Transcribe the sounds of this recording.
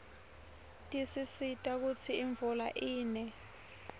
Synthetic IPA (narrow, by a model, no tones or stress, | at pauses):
tʼisisitʼak̬ut͡sʰiiɱvulaʔiːnɛ